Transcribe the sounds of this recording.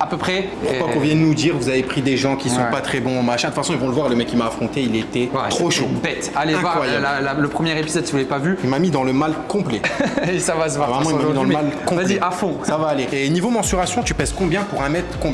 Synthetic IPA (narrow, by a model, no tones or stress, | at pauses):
apøpχɛpuʁwakɔ̃vjɛ̃d̪ənud̪iʁvuzavepχid̪eʒɑ̃kʲisɔ̃pat̪χɛbɔ̃ɔmaʃɛ̃t̪ətfasɔ̃ilvɔ̃ləvwaʁeləmɛkʲːimaːfχɔ̃t̪eilet̪ɛt̪χoʃobɛt̪aleɛ̃vwawajalalaləpχəmjɛʁepizɔd̪sivulɛpavyilmamid̪ɑ̃ləmalkɔ̃plɛsavasəvwavʁɛmɑ̃imamid̪ɑ̃ləmalkɔ̃ald̪ɛʔafɔ̃savaːleeonivomɑ̃syʁasjɔ̃t̪ypɛzkɔ̃bjɛ̃puʁɛ̃mɛt̪χkɔ̃bjɛ̃